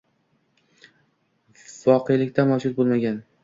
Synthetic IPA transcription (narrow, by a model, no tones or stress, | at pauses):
vɒqʰejlɪkʲt̪ʰamawd͡ʒʊt̪̚bolˠmaɡʲan